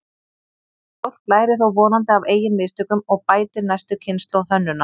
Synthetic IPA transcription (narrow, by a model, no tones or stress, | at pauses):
owr̥klaːjɾɪθowvɔːnant̪ɪaveːjɪnmɪːst̪ʏkʏmɔɣpaːjt̪ɪɾnajst̪ʏcʰɪnst̪lɔwðθœnːʏna